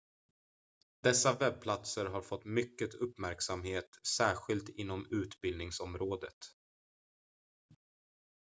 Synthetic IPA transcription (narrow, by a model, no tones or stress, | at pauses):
d̪̥ɛsːavɛb̚pʰlat̪səɾɦaɾfɔt̪ːmʏkːət̪ʰɵpːmæɾksamɦeːt̪sæːɧɪlt̪ɪnːɔmʉ̟ːt̪bɪld̪nɪŋsɔmɾoːd̪ət̪